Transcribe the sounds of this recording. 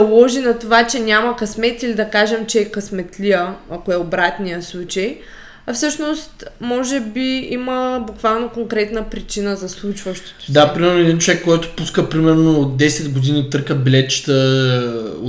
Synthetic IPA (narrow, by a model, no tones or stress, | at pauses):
lˠɔʒinɐt̪ovat͡ʃɛnʲamɐkɐsmɛt̪ilid̪ɐkaʒɛmt͡ʃɛːkɐsmɛt̪liəɐkoɛobɾat̪nijəslˠut͡ʃəj | ɐfsɤʃnost̪mɔʒɛbiiməbukvalˠnokoŋkɾɛt̪nəpɾit͡ʃinəzɐslˠut͡ʃvɐʃt̪o̥t̪o̥d̪apɾimɛɾnoɛd̪int͡ʃovɛkːɔjt̪o̥puskəpɾimɛɾnoːd̪ɛsɛd̪ɡod̪init̪ɤɾkəbɛlɛt͡ʃi̥t̪ə